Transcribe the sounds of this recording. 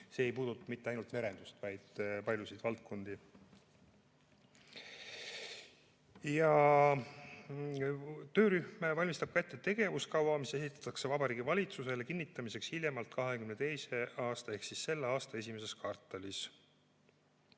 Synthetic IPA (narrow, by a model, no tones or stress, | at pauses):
se̞ːejpuːd̪ut̪ːˑɑmit̪ːeɑjnult̪me̞ɾe̞nd̪ust̪vɑjd̪̥pɑlʲjusid̪̥vɑlt̪̚kʰo̞nd̪̥i | jɑ | t̪ø̞ːɾyhmevɑlʲmist̪ɑb̥̚kɑet̪ˑːet̪e̞ɡ̥e̞vuskɑwɑmise̞sit̪ːˑɑ̥t̪ːˑɑkse̞vɑbɑɾiːɡivɑlʲit̪suse̞le̞kinːit̪ːˑɑmise̞kshilʲjemɑlt̪kɑɦekymnet̪e̞jse̞ɑːst̪ɑe̞hksisːe̞lːeɑːst̪ɑe̞simese̞skɑrt̪ːˑelis